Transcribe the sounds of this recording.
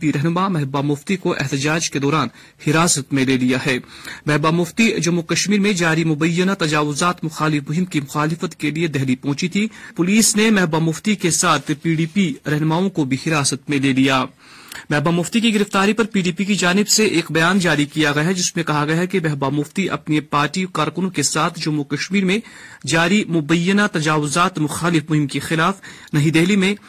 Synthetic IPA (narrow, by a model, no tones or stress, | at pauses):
piɾɛɦnʊmamɛɦbamʊft̪ikoʔɛ̰ɦt̪ɪd͡ʒaːd͡ʒked̪ɔːɾaːn | hɪɾaːsət̪mẽleːlijaɦɛːmɛɦbamʊft̪id͡ʒɐmːukɐʃmiːɾmẽd͡ʒaːɾimʊbɐjːənat̪ɐd͡ʒaːʋʊzaːt̪mʊxaːlɪfmʊɦɪ̃mkimʊxaːlɪfət̪kelied̪ɛɦlipɔ̃ːt͡ʃit̪ʰipʊliːsnemɛɦbamʊft̪ikesaːt̪ʰpiːɖiːpiɾɛɦnmaːõkobʱihɪɾaːsət̪mẽleːlijaː | mɛɦbamʊft̪ikiɡɪɾɪft̪aːɾipɐɾpiːɖiːpikid͡ʒaːnɪbseʔeːkbɐjaːnd͡ʒaːɾikijaɡɐjaɦɛd͡ʒɪsmẽkɐɦaɡɐjaɦɛkemɛɦbamʊft̪iʔɐ̰pnepaːɾʈikaːɾkʊnõkesaːt̪ʰd͡ʒʊmːukɐʃmiːɾmẽ | d͡ʒaːɾimʊbɐjːənat̪ɐd͡ʒaːʋʊzaːt̪mʊxaːlɪfmʊɦɪmkexɪlaːf | nɐɦĩd̪ɛɦlimẽ